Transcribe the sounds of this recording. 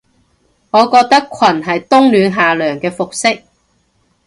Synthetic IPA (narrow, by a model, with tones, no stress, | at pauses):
ŋɔː˨˧kɔː˧k̚t̪ɐ˥kʷʰwɐ˨˩nɦɐ˨jt̪ʊ˥ŋlyː˨˧nɦaː˨lœː˨˩ŋkɛː˧fʊ˨k̚sɪ˥k̚